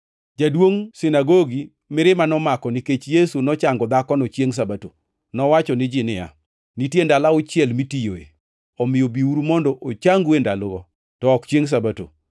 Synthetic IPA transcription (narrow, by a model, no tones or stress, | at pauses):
d͡ʒadwoŋsɪnaɡoɡi | mɪɾɪmanɔmakɔnɪket͡ʃjesunɔt͡ʃaŋɡɔd̪akɔnɔt͡ʃjeŋs̬abato̰ | nɔwat͡ʃɔnɪd͡ʒɪnɪja̰ | nitjendalaʊt͡ʃjɛlmitijoḛ | ɔmɪjobiuɾumɔndɔʔot͡ʃaŋɡwendalɔɡɔ | tɔːkt͡ʃjeŋs̬abato̰